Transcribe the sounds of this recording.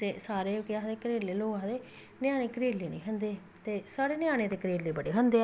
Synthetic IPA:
t̪eːsaːɾeːɡɪaːd̪eːkəɾeːlːeːloːaːd̪eː | nɪjãːneːkəɾeːlːeːnḭ̃ːɦənd̪eː | t̪eːsaːɾeːnɪjaːɽ̃eːd̪eːkəɾiːlːiːbəɽeːɦənd̪eː

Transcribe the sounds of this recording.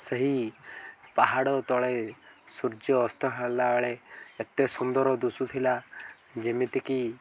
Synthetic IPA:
seɦi | paɦaɽɔt̪ɔɭesuɾd͡ʒjɔːst̪ʰɔɦalaɔɭeːt̪esund̪ɔɾɔd̪usut̪ʰila | d͡ʒimit̪iki

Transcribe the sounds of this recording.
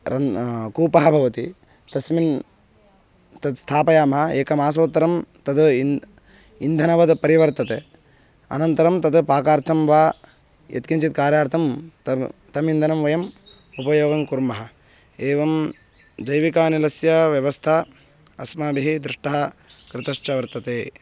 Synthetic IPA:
ɾɐkuːpɐɦɐbʱɐʋɐt̪i | t̪ɐsmin | t̪ɐd̪st̪ʰaːpɐjaːmɐɦɐeːkɐmaːs̬oːt̪ːɐɾɐmt̪ɐd̪ | ind̪ʱɐnɐʋɐd̪pɐɾiʋɐɾt̪ɐt̪e | ɐ̰nɐnt̪ɐɾɐmt̪ɐd̪paːkaːɾt̪ʰɐmʋaː | jɐ̰t̪kint͡ʃit̪̚kaːɾjaːɾt̪ʰɐm | t̪ɐmind̪ʱɐnɐmʋɐjɐm | upɐjoːɡɐŋkuɾmɐɦɐ̆ | eːʋɐm | d͡ʒɐjʋikaːnilɐsjɐʋjɐʋɐst̪ʰɐ | ɐsmaːbʱiɦid̪ɾɪʂʈɐɦɐ̆kɾɪt̪ɐʂʈɐʋɐɾt̪ɐt̪eː

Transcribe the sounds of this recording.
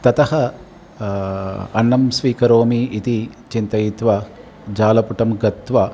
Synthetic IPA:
t̪ɐt̪ɐhɐ | ɐnːɐmsʋiːkɐɾoːmiːt̪it͡ʃint̪ɐjit̪ʋɐ | d͡ʒaːlɐpuʈɐmɡɐt̪ʋɐ

